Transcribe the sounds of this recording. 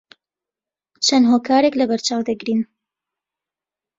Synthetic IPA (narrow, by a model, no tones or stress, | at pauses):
t͡ʃʰɐnɦoːkaːɾeklɐbɐɾt͡ʃaːwd̪ɐɡɾin